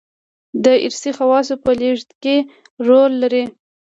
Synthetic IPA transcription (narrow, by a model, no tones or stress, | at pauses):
d̪əɪ̰ɾsixawɑs̬opəleʐt̪ke | ɾolːaɾi